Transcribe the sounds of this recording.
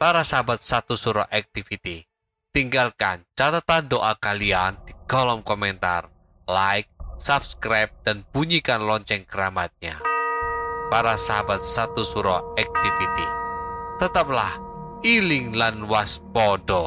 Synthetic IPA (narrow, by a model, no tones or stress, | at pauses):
paɾasaɦabat̪̚sat̪usuɾɔ̰ʔak̚t̪ifit̪i | t̪iŋɡalkant͡ʃat̪at̪andoʔakaliand̥iɡ̥ɔlɔmkɔmɛnt̪a̰r | laɪk̚sap̚skɾajp̚d̥anb̥uɲikanlɔɲt͡ʃɛŋkəɾamat̪̚ɲa̰ | paɾasaɦabat̪̚sat̪usuɾɔak̚t̪ifit̪it̪ət̪ap̚lah | ilɪŋlanwaspɔdɔ